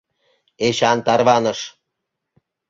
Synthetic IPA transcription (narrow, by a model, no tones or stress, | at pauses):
eɕɑnt̪ɑrβɑnə̆ʃ